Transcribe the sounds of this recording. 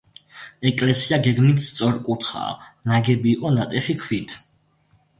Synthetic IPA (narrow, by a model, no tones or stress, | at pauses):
ɛkʼlɛsiaɡɛɡmit̪sʼɔɾkʼut̪ʰχa̰ːnaɡɛbiːqʼɔnat̪ʼɛʃikʰwit̪ʰ